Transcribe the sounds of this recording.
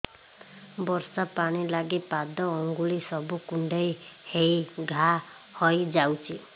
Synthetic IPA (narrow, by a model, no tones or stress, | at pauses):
bɔɾsapaɽ̃ilaɡipad̪ɔːŋɡuɭisɔbukuɳɖejhejɡʱa | hɔjd͡ʒawt͡ʃʰi